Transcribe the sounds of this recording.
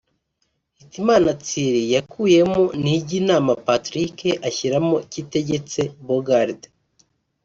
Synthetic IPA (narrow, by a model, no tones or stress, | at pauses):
hitimaːnat͡siɾijakʰuːje̞moniɟiːnaːmapatɾikeʔaçiɾamocite̞ɟe̞t͡se̞boɡaɾde